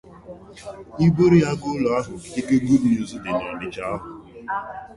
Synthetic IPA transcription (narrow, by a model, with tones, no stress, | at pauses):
i˦bo˦ɾi˦a˦ɡo˦lɔ˨a˦ɦʊ˨ki̥˨te˦ke˦ɡu˦bi˨o˦zʊ˦dɪ˨nɔ˨nɪ˦t͡ʃa˦a˦ɦʊ˨